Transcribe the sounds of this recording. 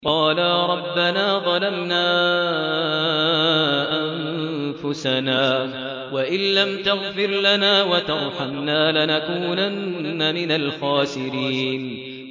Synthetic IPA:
qɑːlaːɾˤɑbːanaːðˤɑlamnaː | ʔanfʊsanaː | waʔɪnlamt̪ʊɣfɪɾlanaːwat̪ɑɾˤħamnaːlɪnakuːnanːamɪnalxaːsɪɾiːn

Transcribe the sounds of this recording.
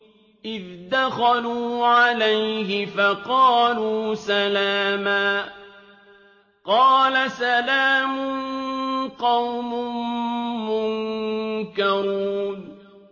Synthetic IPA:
ʔɪðd̪axaluːʕalajɦɪfaqɑːluːsalaːmaː | qɑːlasalaːmʊnnqɑwmʊmmʊŋ | kaɾuːn

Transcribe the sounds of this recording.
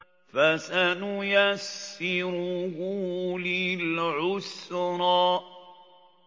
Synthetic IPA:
fasanʊjasːɪɾʊhʊlɪlʕʊsɾˤɑː

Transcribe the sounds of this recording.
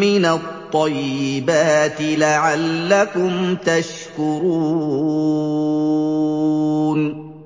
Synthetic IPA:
mɪnat̪ˤːɑjːɪbaːt̪ɪlaʕalːakʊmt̪aʃ | kʊɾuː | n

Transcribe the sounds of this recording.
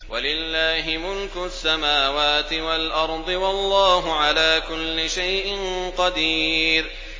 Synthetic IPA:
wʔalɪlːaːɦɪmʊlkʊsːamaːwaːt̪ɪwalʔɑɾˤd̪ˤɨwɑlˤːɑːɦʊʕalaːkʊlːɪʃajʔɪnqɑd̪iːɾ

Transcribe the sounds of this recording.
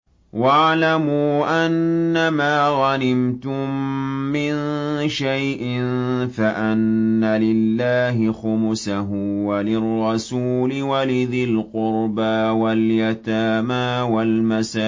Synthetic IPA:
waʕlamuːʔanːamaːɣɑnɪmt̪ʊmːɪnʃajʔɪnfaʔanːalɪlːaːɦɪxʊmʊsaɦʊwalɪrˤːɑsuːlɪwalɪðɪlqʊɾbawaljat̪aːmaːwalmasaː

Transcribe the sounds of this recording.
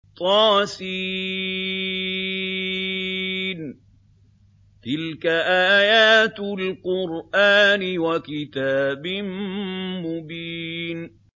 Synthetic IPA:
t̪ˤɑːsi | n | t̪ɪlkaʔaːajaːt̪lqʊɾʔaːnɪwakɪt̪aːbɪmmʊbiːn

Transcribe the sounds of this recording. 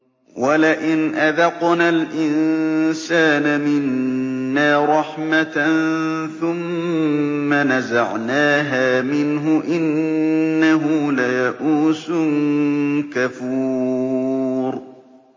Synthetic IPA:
walaʔɪnʔaðɑqnalʔɪnsaːnamɪnːaːɾˤɑħmat̪nθʊmː | anazaʕnaːɦaːmɪnɦʊʔɪnː | aɦʊlajaʔuːsʊnkafuː | ɾ

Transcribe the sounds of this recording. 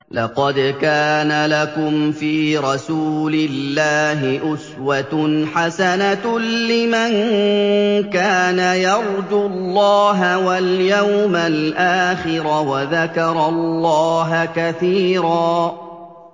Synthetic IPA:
lɑ̰qɑd̪kaːnalakʊmfiːɾˤɑsuːlɪlːaːɦɪʔʊswat̪ħasanalɪman | kaːnajɑɾˤd͡ʒʊlːɑːɦawaljawmalʔaːxɪɾawaðakɑɾˤɑllːɑːɦakaθiːɾɑː

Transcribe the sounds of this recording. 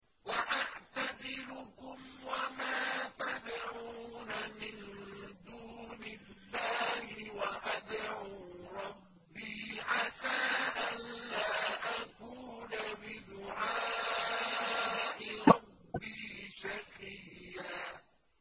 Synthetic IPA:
waʔaʕt̪azɪlʊkʊmwamaːt̪ad̪ʕunamɪnd̪uːnɪlːaːhɪwaʔad̪ʕuːɾˤɑbːiːʕasaːʔanlaːʔakuːnabɪd̪ʊʕaː | ʔɪɾˤɑbbːiːʃakɪjːaː

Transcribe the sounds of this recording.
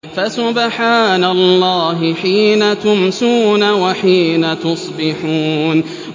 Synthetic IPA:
fasʊbħaːnalˤːɑːɦɪħiːnat̪ʊmsuːnawaħiːnat̪ʊsˤbɪħuːn

